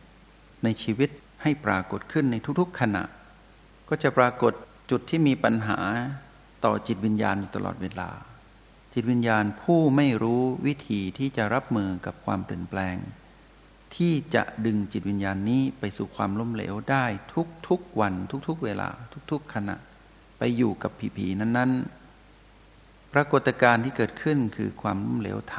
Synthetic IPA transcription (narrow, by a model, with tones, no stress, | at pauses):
na˧jt͡ɕʰiː˧wi˦˥t̪̚ | ha˥˩jpɾaː˧ko˨˩t̪̚kʰɯ˥˩nːa˧jt̪ʰu˥k̚t̪ʰu˦˥kʰːa˧na̰˨˩ʔ | kɔː˥˩t͡ɕa˨˩pɾaː˧ko˨˩t̪̚ | t͡ɕu˨˩t̪ʰːiː˥˩miː˧pa˧nɦa̰ː˩˦ | t̪ɔ̰ː˨˩t͡ɕi˨˩t̪̚wi˧njaː˧njuː˧˩t̪a˧lɔ̰ː˨˩t̪̚weː˧la̰ː˧ | t͡ɕi˨˩t̪̚wi˧˥njaː˧npʰuː˥˩ma˥˩jɾuː˦˥wi˦˥t̪ʰiː˧t̪ʰiː˥˩t͡ɕa˨˩ʔɾa˦˥p̚mɯː˧ka˨˩p̚kʰwaː˧mpli˨˩ənplɛː˧ŋ | t̪ʰiː˥˩t͡ɕa̰˨˩ʔdɯ˧ŋt͡ɕi˨˩t̪̚wi˧njaː˧nːiː˦˥pa˧jsuː˨˩kʰwaː˧mlo˦˥˩mlḛː˩˦wdaː˥˩jt̪ʰu˦˥k̚t̪ʰu˦˥k̚wa˧nt̪ʰu˦˥k̚t̪ʰu˦˥k̚weː˧la̰ː˧t̪ʰu˦˥k̚t̪ʰu˦˥kʰːa˧na̰˨˩ʔ | pa˧jːuː˨˩ka˨˩pʰːiː˧˩pʰiː˧na˥˩nːa˦˥n | pɾa˧ko˨˩t̪ːa˧kaː˧nt̪ʰiː˥˩kɤː˨˩t̪̚kʰɯ˥˩nkʰɯ̰ː˧kʰwaː˧mlo˥˨mlḛː˩˦wt̪ʰa˧